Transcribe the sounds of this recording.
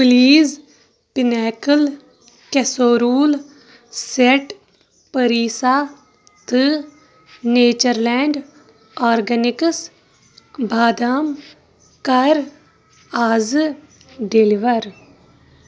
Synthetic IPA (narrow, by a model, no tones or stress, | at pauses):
pliːz | pɪnɛːkəl | kɛsoːɾuːl | seʈ | pəɾiːsaː | t̪ɨ | neːt͡ʃəɾlɛːɳɖ | aːɾɡənɪks | bʱaːd̪aːm | kɐɾ | aːz | ɖeliʋəɾ